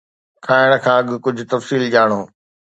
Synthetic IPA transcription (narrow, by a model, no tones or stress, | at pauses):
kʰaːɪɽ̃kʰãːɐɠ̆kʊd͡ʑʱʊt̪ɐfsiːld͡ʑaːɽ̃oː